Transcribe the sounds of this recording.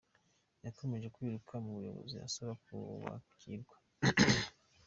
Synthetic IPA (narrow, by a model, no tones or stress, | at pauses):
jako̞me̞ʒe̞kwiːɾukʰamuβujo̞̰βo̰zia̰soβakuβa̰kʰiɾɡwḁ